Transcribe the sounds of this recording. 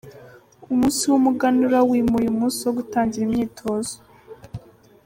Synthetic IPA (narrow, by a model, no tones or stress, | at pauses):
umuːnsiwumuɡanuɾawiːmuɾumuːsioɡutaːɲɟiɾimɲiːtʰo̞ːzo